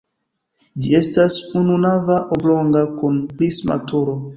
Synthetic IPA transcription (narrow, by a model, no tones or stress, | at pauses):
d͡ʒie̞stasununavaʔoblo̞ŋɡakunplisma̰tuɾo